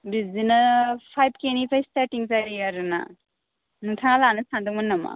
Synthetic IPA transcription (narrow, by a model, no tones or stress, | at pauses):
bizinapʰajb̚kenipʰajstaɾtiŋzaɾiaɾɯna̰ | nuŋtʰaŋalanɯsandɔŋmanːama̰